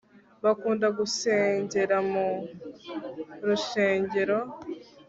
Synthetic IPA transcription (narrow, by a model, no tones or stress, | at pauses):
βakuːndaɡuse̞ːɲɟe̞ɾamu | ɾuʃe̞ːɲɟe̞ɾo̞